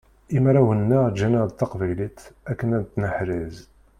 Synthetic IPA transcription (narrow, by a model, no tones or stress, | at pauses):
imɾˤæwənːad͡ʒænad̪t̪ːɑqvæjlit̪ækːənænt̪ːnəħɾiz